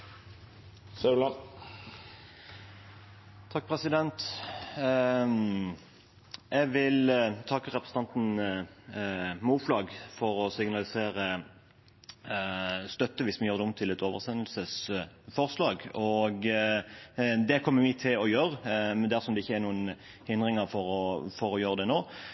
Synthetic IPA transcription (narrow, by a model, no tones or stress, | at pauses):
sɑʉlɑn | t̪ʰɑk̚ːpʰʁɛsɪd̪ɛnt̪ | ʔɛɡʋɪlt̪ʰɑkːəʁɛpɾəsn̩t̪ɑnt̪n̩ | muːflɑːɡfɔʁɔsɪɡnɑlɪseːɾə | st̪œt̪ːəʋɪsmɪjøːʁd̪ɛɔmt̪ʰɪlɛt̪oːʋəʁsɛnəlsəsfɔʁslɑːɡɔɡ | d̪ɛkʰɔmːəmɪt̪ʰɪlɔjøːɾəmd̪æʁsɔmd̪ɛɪçːəæɾnuːən | hɪnd̪ʁɪŋəʁfɔɾɔfɔʁɔjøːɾəd̪ɛnoː